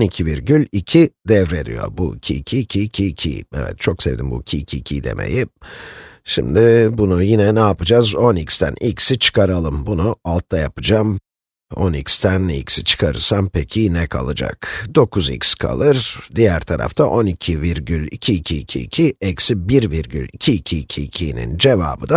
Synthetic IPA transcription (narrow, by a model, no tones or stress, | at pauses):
onicʰiviɾɟylʲicʰid̪ɛvɾed̪ḭjo̞̰ɾbuicʰiːcʰiːcʰiːcʰiːcʰḭɛ̰vɛ̰t̪̚t͡ʃʰo̞ksevd̪imbṵicʰiːcʰiːcʰid̪e̞̰mʔḛji | ʃḭmd̪ɪbunujinɛnaːpɯd͡ʒazo̞nicst̪ʰæ̰nicsit͡ʃʰɯ̥kʰaɾalˠɯmbunualˠt̪lajapɯd͡ʒam | o̰nicst̪ʰænḭcsit͡ʃʰɯ̥kʰaɾɯ̰sampʰecʰinɛkʰa̰lˠɯd͡ʒa̰kd̪o̞kʰuzḭcʲskʰa̰lˠɯɾd̪ijæɾt̪ʰaɾa̰ft̪ʰaʔo̞nicʰiviɾɟylʲicʰiːcʰiːcʰiːcʰiɛcsibiɾviɾɟy̰lʲicʰiːcʰiːcʰiːcʰinḭnd͡ʒeva̰ːbɯd̪a